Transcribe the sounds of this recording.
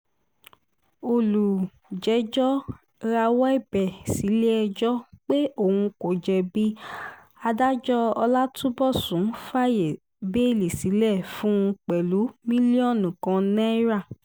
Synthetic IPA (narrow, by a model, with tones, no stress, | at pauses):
o˨lu˨ | d͡ʒɛ˨˦d͡ʒɔ˦ | ɾa˧wɔ˦ɛ˦˨bɛ˨si˨˦le˦ɛ˧d͡ʒɔ˦k͡pe˦o˦˨hũ˧ko˨d͡ʒɛ˨bi˦ | a˧da˦d͡ʒɔ˦ɔ˧la˦tʰũ˦bɔ˦˨sũ˨˦fa˦˨je˨ | be˦˨li˨si˨˦lɛ˦˨fũ˦˧k͡pɛ˨lu˨˦mĩ˦li˦ɔ˦˨nũ˨kã˧nɛ̃˦ɾa˦˨